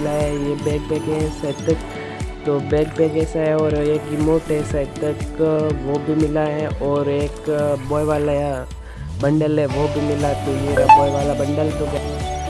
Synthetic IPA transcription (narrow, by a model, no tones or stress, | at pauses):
laɦɛjebɛːk̚bɛːkɛɦɛsɐt̪ək̚ | t̪obɛːk̚beːkɛːsaɦɛɔːɾeːkɡɪmoːʈɦɛsɐɪt̪əkʋobʱimɪlaɦɛʔɔːɾeːkbɔːjʋaːlaa | bɐ̃ɳɖəlɦɛʋobʱimɪlat̪omeːɾabɔːjʋaːlabɐ̃ɳɖəlt̪oɡa